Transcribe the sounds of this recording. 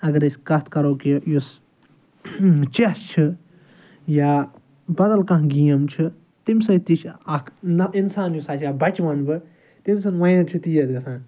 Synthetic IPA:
ɐɡɐɾesʲkɐt̪ʰkɐɾoːkijus | t͡ʃest͡ʃʰi | jaː | bɐd̪ɐlkɐ̃ɦɡijɐmt͡ʃʰi | t̪imsɐ̃t̪it͡ʃʰɐkʰinsaːnjusaːt͡ʃjaːbɐt͡ʃʋɐnbɨ | t̪ims̬ɨnʋɐ̃jnɐt͡ʃʰit̪ijɐzɡɐt̪ʰãː

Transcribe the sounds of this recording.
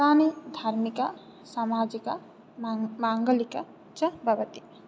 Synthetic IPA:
taːnid̪ʱaɾmika | samaːd͡ʒikɐ | maːŋɡɐlikɐ | t͡ʃɐbʱɐʋɐt̪i̥

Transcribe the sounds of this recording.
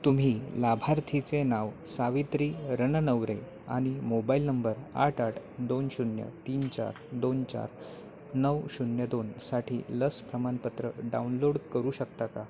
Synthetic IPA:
t̪um̤iːlabʱaɾt̪ʰit͡senaʋsaʋit̪ɾiːɾənənəʋɾe | a̰ɽ̃imobailnəmbəɾa̰ʈʰaʈʰd̪onɕunjə̰t̪iːnt͡ɕa̰ɾd̪ont͡ɕa̰ɾ | nəwɕunjəd̪onsaʈʰḭːləspɾəmanpət̪ɾəɖaunloɽkəɾuːɕəkt̪aka

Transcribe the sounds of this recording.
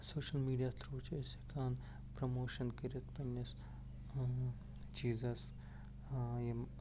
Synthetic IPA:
soːʃɐlmiːɖijaːt̪ʰɾuːt͡ʃʰesekaːn | pɾomoːʃɐnkɐɾit̪pɐnɐs | t͡ʃiːzɐs | jem

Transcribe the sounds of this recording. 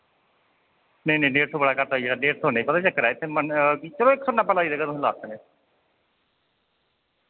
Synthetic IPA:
nenẽːɖeːʈt̪ʰoːbəɽaːkəɾt̪aːieaɖeːʈ̚t̪ʰoːnẽpət̪at͡ʃəkːəɾɛːɪt̪ʰeːmənit͡ʃəɾõːɪksonaːpəlaːiːd̪əɡəɾ̃la̰ːsne

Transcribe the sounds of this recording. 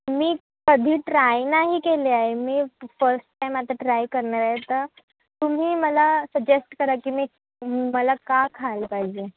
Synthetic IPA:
miː | kəd̪ʱiːʈɾajnaɦiːkeleaɦemiːfəɾsʈʈːajmat̪əʈɾajkəɾɳaɾaɦet̪əɾ | t̪um̤iːməlasəd͡ʑesʈkəɾakiːmiː | məlakakʰalpaɦid͡ʑe

